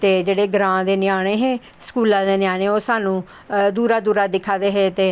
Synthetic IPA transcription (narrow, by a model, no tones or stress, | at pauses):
t̪eːd͡ʒeːɽeːɡɾãːd̪eːnɪjaːɽ̃eːɦẽː | sə̥kuːlãːd̪eːnɪjaːɽ̃eːoːsaːnũː | d̪uːɾaːd̪uːɾaːd̪ɪkʰːaːd̪eːɦeːt̪eː